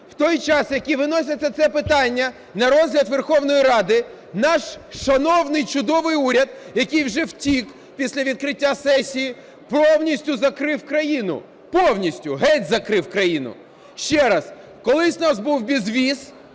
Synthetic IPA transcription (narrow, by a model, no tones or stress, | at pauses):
wt̪ɔjt͡ʃɑsjɐkʲiʋɪnɔsʲɐtt͡sʲːɐt̪sɛpɪt̪ɑnʲːɐ | nɐɾɔzɦlʲɐd̪ʋerxɔwnɔjiɾɑd̪ɪ | nɑʃʃɐnɔwnɪjt͡ʃʊd̪ɔʋɪjuɾʲɐd̪̚jɐkɪjwʒɛwtʲik | pʲisʲlʲɐʋʲid̪̚kɾɪtʲːasɛsʲiji | pɔwnʲisʲtʲʊzɐkɾɪwkɾɐjinʊ̰ | pɔwnʲisʲtʲʊɦɛdʲzɐkɾɪwkɾɐjinʊ̰ | ʃt͡ʃɛɾɐs | kɔlˠɪsʲnɑsbuwbʲizʋʲiz